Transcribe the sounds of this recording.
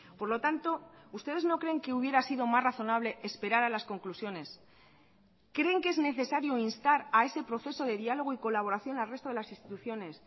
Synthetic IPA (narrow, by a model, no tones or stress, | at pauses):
po̞ɾlo̞t̪ant̪o̞ust̪e̞ð̞e̞zno̞kɾe̞ːŋke̞uβje̞ɾasiðo̞masraθo̞naβ̞le̞ʔespe̞ɾaɾalasko̞ŋklusjo̞ne̞s | kɾe̞ːŋkee̞zne̞θe̞saɾjo̞inst̪aɾae̞se̞pɾo̞θe̞so̞ðe̞ðialo̞ɣ̞oiko̞laβ̞o̞ɾaθjo̞nalre̞st̪o̞ðelasinst̪i̥t̪uθjo̞ne̞s